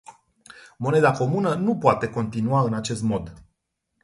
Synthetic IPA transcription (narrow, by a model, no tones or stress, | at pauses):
mo̞ne̞d̪ako̞munənupoat̪e̞ko̞nt̪inuaɨnat͡ʃe̞st̪mo̞d̪